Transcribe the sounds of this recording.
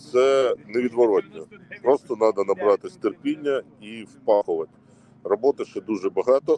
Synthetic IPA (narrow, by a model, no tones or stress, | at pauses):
t̪sɛneʋʲid̪ʋɔɾɔtʲnʲɔpɾɔst̪ɔnɑd̪ɐnɐbɾɑt̪ɪsʲt̪erpʲinʲːɐ | iwpɑxʊʋɐtʲ | rɔbɔt̪ɪʃɛd̪uʒɛbɐɦɑt̪ɔ